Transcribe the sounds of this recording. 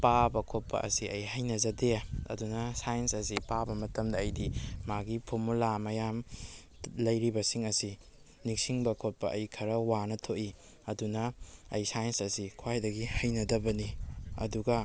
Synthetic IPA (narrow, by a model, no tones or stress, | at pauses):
pabɐkʰot̚pːɐ̰ʔɐ̰siɐjɦɐjnɐzɐdeɐ̰dunɐsajensɐsipabɐmɐtɐmdɐːjdimaɡipʰuɾmulamɐjam | lɐjɾibɐsiŋɐsi | niksiŋbɐkʰot̚pɐʔɐjkʰɐɾɐwanɐtʰoʔi | ɐdunɐːjsajensɐsikʰwajdɐɡihɐjnɐdɐbɐniɐ̰duɡɐ